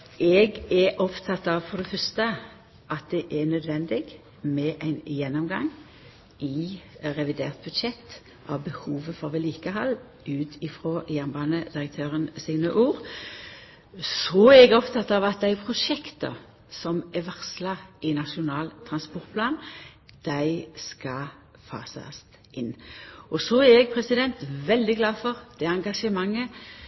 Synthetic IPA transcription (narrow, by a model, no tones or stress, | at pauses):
ʔɛɡɛʔɔpt̪ʰɑt̪ːɑʋfɔʁd̪ɛfœʁst̪ə | ʔɑt̪̚d̪ɛʔɛnœd̪ʋɛnd̪ɪɡ | mɛʔæɪnjɛnːɔmɡɑŋ | ɪʁɛʋɪd̪eːʁt̪̚bʉd̪ʃɛt̪ː | ʔɑʋbəhuːʋəfɔɾʋɛliːkəɦɑlː | ʉːt̪ʰɪfɾoːjɛnbɑːnəd̪ɪʁək̚t̪ʰøːʁənsɪŋnøʔuːʁ | sɔæɛɡɔpt̪ʰɑt̪ːɑʋɑt̪̚d̪æɪpʰʁʊʂɛkt̪ə̰ | sɔmɛʋæʁslɑɪnɑʂʊnɑːlt̪ʰʁɑnspɔʁt̪̚pʰlɑːnd̪̥æɪskɑ | fɑ̰ːsɑ̰st̪ | ʔɪnːɔsɔæɛɡpʰʁɛsɪd̪ɛnt̪ʋɛld̪ɪɡlɑːfɔʁd̪̥ɛɑŋɡɑʂəmɑŋːə